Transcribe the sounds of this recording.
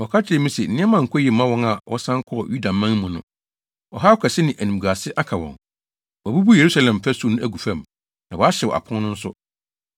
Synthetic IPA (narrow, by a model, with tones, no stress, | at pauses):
wɔ˨kʰa˦tʰɪ˨ɛ˨mĩ˦sɛ˨n̩˨nɪ̃˦a˦mã˨ŋ̩˨kʰɔ˦ji˨mã˦wɔ̃˦ŋa˨wʔɔ̰˦sã˦ŋ˦kʰɔ˦ɔ˨ju˦da˨mã˦ŋmũ˨nʊ̰̃˦ | wɔ̰˨ɦa˦ɔ˦kʰɛ˨sɪ˦nɪ̃˨ʔæ˨nĩ˨m˨ɡa˨sɪ˦ʔa˦kʰa˨wɔ̰̃˨ŋ | wɔ˨bu˦bu˦je˨ɾu˦sa˦lɛ̃˨m˨pæ˦su˦˨nʊ̃˦ʔæ˦ɡu˨fæ̃˨m | nã˨wɔ˨a˦ɕɛ˨wɔ̰˨a̰˨pʰɔ̃˦nnʊ̃˦n̩˦sʊ˦